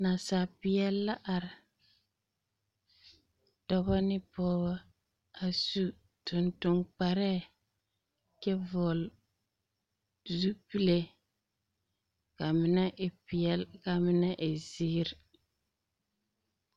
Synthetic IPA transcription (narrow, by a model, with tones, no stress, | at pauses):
na˨sa˨pɪ˨ɛ˦lːa˦ʔa˨ɾɪ˨ | dɔ˦ba˦nɪ˦pɔː˦ba˦ | a˨su˦ | tʊ˨ntʊ˨ŋk͡pa˨ɾɛː˦˨ | kɛ˦vɔ˨l | zu˦pi˦le˦ | ka˨mɪ˦nɛ˦ʔɪ˨pɪ˨ɛ˦lka˨mɪ˦nɛ˦ʔɪ˨ziː˦ɾ